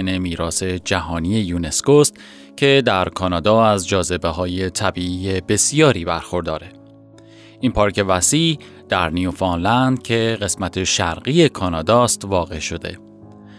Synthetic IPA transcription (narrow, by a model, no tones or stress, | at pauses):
ne̞miːɾɒːse̞d͡ʒæɦɒːnije̞juːne̞skost̪ | cʰe̞d̪æɾkʰɒːnɒːd̪ɒːæzd͡ʒɒːze̞be̞ɦɒːje̞t̪ʰæbiiːebe̞sijɒːɾiːbæɾxo̞ɾd̪ɒːɾe̞ | ʔiːnpʰɒːɾce̞væsiːʔ | d̪̥æɾnijufɑːnlænd̪cʰe̞ɣe̞smæt̪ʰe̞ʃæɾɢiːe̞kʰɒːnɒːd̪ɒːst̪vɒːɣe̞ʃo̞d̪e̞̰